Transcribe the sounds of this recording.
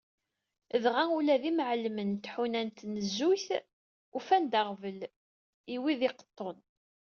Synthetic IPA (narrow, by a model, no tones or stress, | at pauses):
əðʁæulæðimʕlmənt̪ħunænt̪nəzːuθ | ufænd̪aʁvəl | iwiðɪqə̥t̪ˤːon